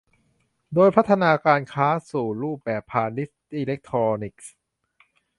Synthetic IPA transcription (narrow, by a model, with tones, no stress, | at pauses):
doː˧jpʰa˦˥t̪ʰːa˧naː˧kaː˧nkʰaː˦˥suː˨˩ɾuː˥˩p̚bɛː˨˩pʰːaː˧ni˦˥tt̪iː˧le˦˥k̚t̪ʰɾɔː˧ni˦˩k̚s